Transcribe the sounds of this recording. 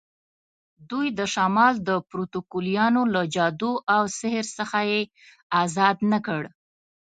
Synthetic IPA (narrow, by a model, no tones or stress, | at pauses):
d̪ujd̪əʃɑmɑld̪əpɾot̪okolijɑnolad͡ʒɑd̪uʔawsɪhəɾsəxaje | azɑd̪nəkəɽ